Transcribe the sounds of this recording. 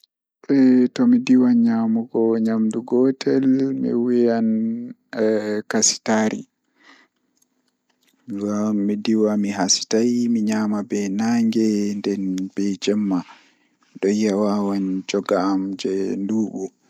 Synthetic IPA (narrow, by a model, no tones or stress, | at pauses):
ɓɛtɔmidiwaɲamuɡɔɲamduɡɔtʰɛlmḭwijan | kasi̥taːɾḭ | ɡaːidiwamiɦasi̥tajmiɲamabɛnaŋɡɛndɛnbɛd͡ʒɛmːa | ɗɔjawawand͡ʒɔɡaːmd͡ʒɛnduːɓu